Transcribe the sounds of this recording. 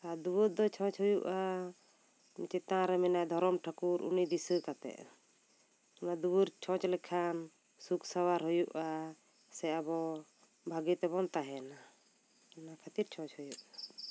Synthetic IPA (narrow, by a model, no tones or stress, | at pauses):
ad̪uwəɾ̚d̪ɔt͡ʃʰɔ̃t͡ʃɦujuʔa | mit͡ʃɛt̪ãɾɛmɛnad̪ʱɔɾɔmʈʰakuɾṵnid̪isəkat̪ɛ̰ʔ | ɔnad̪ubəɾt͡ʃʰɔ̃t͡ʃlɛkʰan | suksawaɾɦujuʔa | sɛabɔ | bʱaɡɛt̪ɛbɔnt̪aɦɛna | nakʰat̪iɾt͡ʃʰɔ̃t͡ʃhujuʔa